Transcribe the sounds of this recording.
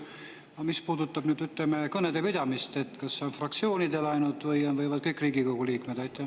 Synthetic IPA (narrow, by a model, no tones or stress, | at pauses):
ɑmispuːd̪ut̪ːˑɑb̥nyːd̪yt̪lemekɤned̪e̞pid̪̥ɑmist̪e̞t̪kɑsːeo̞nfrɑk̚t̪sio̞ːnid̪e̞lɑjnult̪ˑvɤjonvɤjvɑd̪̥̚kɤjkriːɡiko̞ɡ̥uliːkmed̪̥ɑjt̪ːˑe